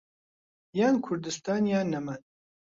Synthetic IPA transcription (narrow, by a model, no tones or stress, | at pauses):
jaːnkʰʊɾd̪ɨst̪aːnjaːnːɐman